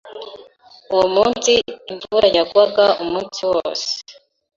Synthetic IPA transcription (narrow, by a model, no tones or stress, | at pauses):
uwomuːnsiːɱvuɾajaɡwaɡaumuːnsiwoːse̥